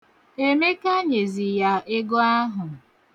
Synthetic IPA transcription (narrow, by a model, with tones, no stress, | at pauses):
e˦me˦ka˦ɲe˨zi˨ja˦ʔɪ˦ɡo˦a˦ɦʊ˨